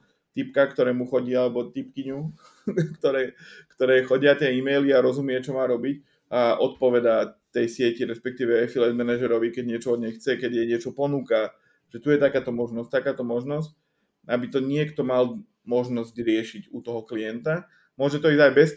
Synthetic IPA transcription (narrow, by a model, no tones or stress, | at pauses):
t̪ipkakt̪ɔɾɛːmuxɔɟialɛbɔt̪ip̚kiɲu | kt̪ɔɾɛːkt̪ɔɾɛːxɔɟɪat̪ɪɛimɛjliaɾɔzumɪɛt͡ʃɔmaːɾɔbic | aʔɔt̪̚pɔʋɛd̪at̪ɛjsɪɛciɾɛspɛk̚t̪iːʋɛɛfilɛd̪mɛnaʒɛɾɔʋikɛɟɲɪɛt͡ʃɔɔd̪ɲɛjxt͡sɛkɛɟ̪jɛɲɪɛt͡ʃɔpɔnuːka | ʒ̥ɛt̪ujɛt̪akaːt̪ɔmɔʒnɔsct̪akaːt̪ɔmɔʒnɔsc̚ | abit̪ɔɲɪɛkt̪ɔmal | mɔʒnɔzɟɾɪɛʃiɟut̪ɔɦɔklijɛnt̪a | mʊɔʒɛt̪ɔiːzajbɛs